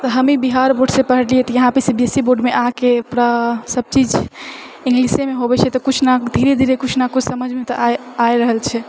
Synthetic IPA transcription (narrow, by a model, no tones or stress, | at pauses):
t̪ɔɦəmibiɦaɾboɖsẽpəɦəɽliɛt̪ɔjəɦãpesebiesiboɖmeʔakepɾasəb̚t͡ʃid͡ʒ | ĩŋɡlisemeɦobɛt͡ʃʰɛt̪ɔkut͡ʃʰnad̪ʱiɾed̪ʱiɾekut͡ʃʰnakusəməd͡ʒʱmet̪ɔaaeɾəɦəlt͡ʃʰɛ